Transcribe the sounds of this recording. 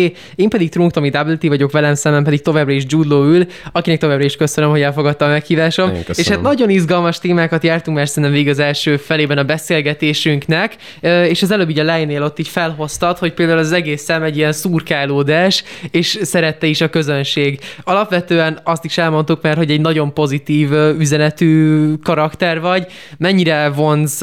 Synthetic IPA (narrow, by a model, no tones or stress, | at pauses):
eːmpɛd̪ik̚t̪ruŋkt̪omid̪abilt̪ivɒɟo̞kʋɛlɛmsɛmɛmpɛd̪ikt̪o̞vaːbrɒiʒd͡ʒuːd̪lːoːyl | ɒkinɛk̚to̞vaːbrɒiʃkø̞sønømɦoɟɛlfo̞ɡɒt̪ːɒmmɛkhiːvaːʃo̞meːʃhaːt̪nɒɟo̞nizɡɒlmɒʃt̪eːmaːkɒt̪jaːrt̪uŋkmɛrsɛnɛmveːɡiɒzɛlʃøːfɛleːbɛnɒbɛseːlɡɛt̪eːʃyŋknɛkː | eːʃɛzɛløːbːiːɟɒlɛːjnːeːlo̞t̪ːiːcfɛlɦo̞st̪ɒt̪ho̞c̚peːld̪aːulɒzɛɡeːsːɛmɛɟːiɛnsuːrkaːloːd̪aːʃeːʃsɛɾɛt̪ːɛiʃɒkø̞zønʃeːɡɒlɒpʋɛt̪øːɛnɒst̪iʃɛlmo̞nt̪ukmɛrho̞ɟɛɟnɒɟo̞mpo̞zit̪iːvyzɛnɛt̪yːkɒɾɒkt̪ɛrvɒɟ | mɛɲːiɾɛvo̞nz